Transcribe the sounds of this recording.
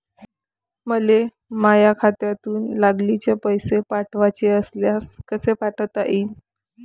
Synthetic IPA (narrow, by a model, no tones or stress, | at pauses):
məle | majakʰat̪jat̪uːnlaɡlit͡ɕepəjsepaʈʋat͡ɕeəsljaskəsepaʈʰət̪aʔiːn